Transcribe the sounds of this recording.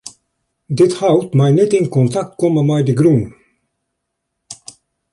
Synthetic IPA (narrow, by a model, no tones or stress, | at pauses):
dɪthawtmɛjnɛtɪnkɔntaktkɔməmɛjdəɡɾun